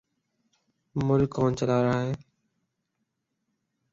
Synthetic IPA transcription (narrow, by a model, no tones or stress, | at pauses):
mʊlkʰːoːnt͡ʃəlaːɾaːɦeː